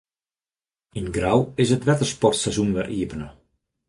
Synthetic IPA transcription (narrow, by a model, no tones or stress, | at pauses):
inɡrawɪsətʋɛtərspɔrtsɛzunʋɛʔiəpənə